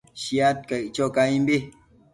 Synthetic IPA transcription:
ʃiat̪̚kəjt͡ʃɔkaĩmbi

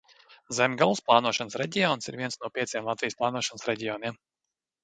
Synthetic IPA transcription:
zɛmʲɡalˠsplˠaːnuɔʃansɾɛɟʲiɔːnsiɾviɛnsnuɔpʲiɛt̪sʲijɛmlˠat̪vʲijsplˠɑːnuɔʃɔnəsɾɛɟʲiɔːniɛm

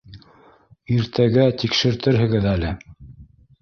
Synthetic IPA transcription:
iɾt̪ʰæɡæt̪ikʃɘ̆ɾt̪ɘɾɦɘ̆ɡɘðælɘ

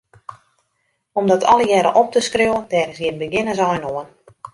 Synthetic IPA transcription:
ɔmdɔtʰɔ̰lˠəjɛɾə̰ʔɔp̚təskrewəndɛːɣənsjɪnbəɡɪnəzɔjnoən

